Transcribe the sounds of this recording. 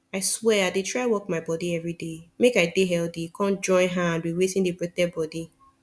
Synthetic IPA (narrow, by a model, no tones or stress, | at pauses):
aɪswɛadetɹaɪwɔk̚maɪbɔdiɛvɹidemekaɪdeɦɛldikʰɔ̃nd͡ʒɔ̃ɪ̃nɦaãndwiwetĩndibɹɛtɛbɔdi